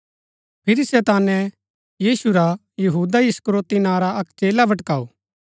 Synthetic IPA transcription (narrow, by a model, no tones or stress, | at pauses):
pʰɪɾisɛt̪aːnɛ | jiːsuɾa | jɐɦuːd̪aɪskɾoːt̪inaːɾaɐkt͡ʃeːlabʱɐʈkaːoː